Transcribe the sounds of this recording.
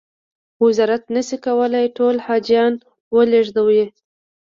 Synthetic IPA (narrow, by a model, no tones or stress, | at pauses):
wɪzɑɾat̪nəsikawəlajʈolhɑd͡ʒijɑn | wəleʐd̪awe